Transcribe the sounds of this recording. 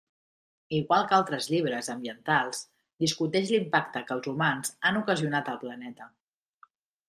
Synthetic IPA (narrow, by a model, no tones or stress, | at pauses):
iɣwalˠkalˠt̪ɾəzʎiβɾəzəmbiənt̪alˠz | d̪iskut̪ɛʃlimpak̚t̪əkəlˠzumanzanukəziunat̪əlˠplənɛt̪ə